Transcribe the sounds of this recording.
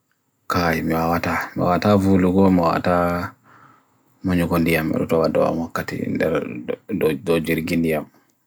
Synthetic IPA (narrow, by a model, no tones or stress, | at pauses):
kajimiwawatama̰watavuluɡɔmawa̰ta | maɲuɡondijamɛ̰ɗɔ̰tɔwadɔ̰wa̰mwɔkːatḭndɛɾddɔd͡ʒiɾɡindijam